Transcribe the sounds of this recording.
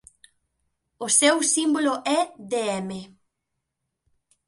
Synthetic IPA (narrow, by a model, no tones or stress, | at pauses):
ʊsewsimboloʔɛðeɛme